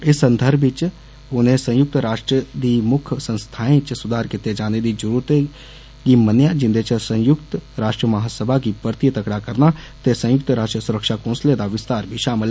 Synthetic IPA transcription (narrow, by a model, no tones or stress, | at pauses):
ɪsə̃nd̪ʱəɾbʱɪt͡ʃ | ʊnẽsə̃jʊk̚t̪ɾaːʃʈɾəd̪imʊkʰsə̃nst̪ʰaːẽt͡ʃsʊd̪ʱaːɾkɪt̪ed͡ʒaːned̪id͡ʒʊɾuɾt̪e | kimənjad͡ʒɪ̃nd̪et͡ʃəsə̃jʊkt̪ɾaːʃʈɾəmɐɦaːsəbʱakipəɾt̪ijt̪əkɽakəɾna | t̪esə̃jʊk̚t̪ɾaːʃʈəsʊɾəkʃakõːnsled̪aʋɪst̪aːɾbʱiʃaːməl